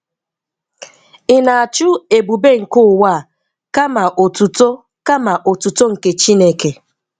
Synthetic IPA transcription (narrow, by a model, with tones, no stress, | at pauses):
ɪ˦˨na˨a˨t͡ʃu˦e˨bu˨be˦ŋ̩˨kʊ˦˨wa˦˨ | ka˦ma˨ʔo˨tu˨to˦ | ka˦ma˨ʔo˨tu˨to˦ŋ̩˨ke˨t͡ʃi˦ne˦ke˨